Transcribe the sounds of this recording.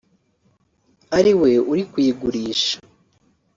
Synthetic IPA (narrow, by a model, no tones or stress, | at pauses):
aɾiwe̞uɾikwiːɡuɾiːʃḁ